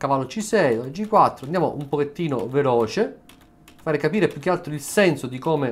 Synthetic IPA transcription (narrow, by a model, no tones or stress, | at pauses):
kavalːot͡ʃisɛjoad͡ʒikːwat̪ːɾoand̪jaːmo̰ʔumpoket̪ːiːno̰velɔːt͡ʃe | faːɾekapiːɾepjuk̟ːealt̪ɾoilsɛnsod̪ikome